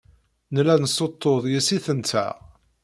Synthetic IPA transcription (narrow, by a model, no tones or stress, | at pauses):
nəlænəsot̪ˤːoðˤjisiθənt̪ʰæ̰